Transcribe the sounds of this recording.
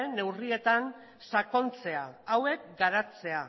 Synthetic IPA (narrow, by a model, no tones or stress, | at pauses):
ne̞wrie̞t̪an | sako̞nt͡se̞aawe̞k̚ɡaɾat͡se̞a